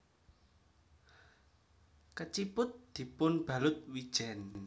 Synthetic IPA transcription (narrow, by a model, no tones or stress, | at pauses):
kət͡ʃipʊt̪̚d̪̥i̤pʊnb̥ä̤lʊt̪̚wid̥ʒ̥ɛn